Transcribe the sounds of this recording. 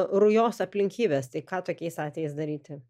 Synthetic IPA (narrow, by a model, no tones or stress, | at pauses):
ɾʊjoːsɐpʲlʲɪŋʲkʲiːbʲeːst̪ɐɪkɑːt̪oːkʲɛɪsɑːt̪ʲʋʲɛjɛɪsd̪ɐɾʲiːt̪ʲɪ